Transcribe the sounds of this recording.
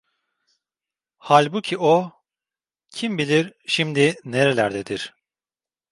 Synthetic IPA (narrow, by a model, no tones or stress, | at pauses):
halʲbucʰiʔo | cʰimbilʲiɾʃimd̪ineɾelʲæɾd̪ed̪iɾ̥